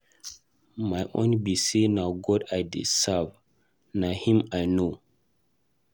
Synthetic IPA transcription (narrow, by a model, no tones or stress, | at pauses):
majʔõ̰nbisenawɡɔdajdḭsav | nahĩmajno